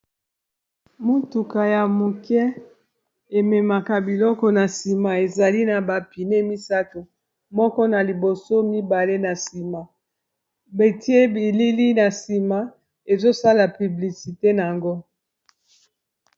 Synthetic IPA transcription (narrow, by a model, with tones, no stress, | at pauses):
mu˦tu˨ka˨ja˨mu˨kɛ˦ | e˨mɛ˨ma˨ka˨bi˨lɔ˦kɔ˦na˨si˨ma˨e˨za˨li˦na˨ba˨pi˨ne˦mi˦sa˦to˨ | mɔ˦kɔ˦na˨li˨bo˨so˦mi˦ba˨le˦na˨si˨ma˨ | be˨ti˦e˦bi˨li˦li˦na˨si˨ma˨ | e˨zo˦sa˦la˨py˨bli˨si˨te˦na˨a˨ŋɡo˦